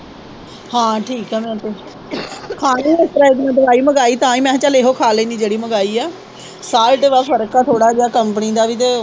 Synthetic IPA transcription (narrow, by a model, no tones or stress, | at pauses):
hãːʈʰiːkɛːmɛ̃ːt̪eː | kʰaːnĩːɪst̪əɾaːɪkmət̪ʋaːiːməɡaːiːt̪ãːĩːmɛ̃ːt͡ʃaːleɦoːkʰaːleiːniːd͡ʒeːɽiːməɡaːiːaː | saːlʈeʋaːpʰəɾkaːt̪ʰoːɽaːd͡ʒaːkəmpəniːd̪aːʋiːt̪e